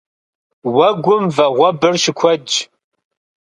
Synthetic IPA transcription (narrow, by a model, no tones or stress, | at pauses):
wɐɡʷʊmvɐʁʷɔbɨrʃɪkʷʰɔd͡ʒ